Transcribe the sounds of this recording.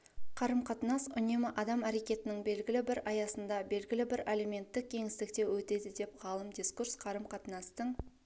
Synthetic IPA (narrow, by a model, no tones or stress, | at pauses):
qʰɑɾəmqʰɑt̪ənɑsʊnemɪʔɑd̪ɑmæɾe̞kʲe̞t̪ɪnɪŋbe̞lɡʲɪlɪbɪɾɑjɑsənd̪ɑbe̞lɡʲɪlɪbɪɾʔeleme̞nt̪ːɪk̚ʲʰːe̞ŋɪst̪ɪkt̪e̞wɵt̪e̞d̪ɪd̪e̞p̚ʁɑlˠəmd̪iskursqʰɑɾəmqʰɑt̪ənɑst̪əɴ